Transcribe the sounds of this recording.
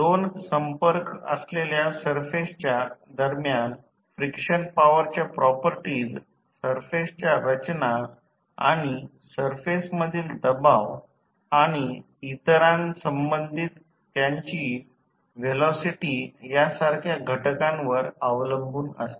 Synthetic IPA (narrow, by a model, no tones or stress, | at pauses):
d̪onsəmpəɾkə̰sleljasəɾfest͡ɕjad̪əɾmjan | fɾikʂənpaʋəɾt͡ɕjapɾɔpəɾʈiːd͡z | səɾfest͡ɕjaɾət͡ɕna | a̰ɽ̃i | səɾfesməd̪ʱiːld̪əbaʋ | aɽ̃i | it̪ɾãnsəmbənd̪ʱit̪ː | jaɲt͡ɕiː | ʋelɔsiʈijasaɾkʰjaɡʱəʈkãnʋəɾəʋləmbʱuːnə̰st̪e̥